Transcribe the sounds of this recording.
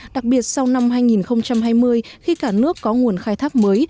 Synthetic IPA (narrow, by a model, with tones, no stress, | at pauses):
ɗa˨˩k̚ɓi˨˩ət̚sa˧wna˧mɦaː˧jŋi˨˩nxə˧wŋ͡mt͡ɕa˧mɦaː˧jmɨ˧əjxi˧kaː˧˩nɨ˦˥əkːɔ˨˦ŋu˨˩ənxaː˧jt̪ʰaː˦˥k̚məː˨˦j